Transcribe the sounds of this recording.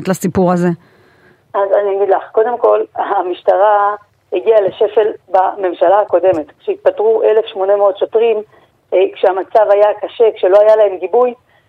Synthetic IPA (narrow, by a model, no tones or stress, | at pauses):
t̪lasipuʁaze̞ | azaniaɡid̪laχko̞d̪e̞mko̞lamiʃtaʁa | heɡialeʃe̞fe̞lbame̞mʃalaːko̞de̞me̞t̪kʃeit̪̚patʁuʔe̞le̞fʃmo̞ne̞meo̞t̪ʃotʁim | ekʃeamat͡savajakaʃe̞kʃe̞lo̞ajalae̞mɡibuj